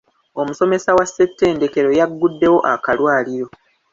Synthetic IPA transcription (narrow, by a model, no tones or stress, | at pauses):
o̞muso̞me̞sawasːe̞tːe̞ːnde̞ke̞ɾo̞jaɡːudːe̞wo̞ʔakalwaːliɾo̞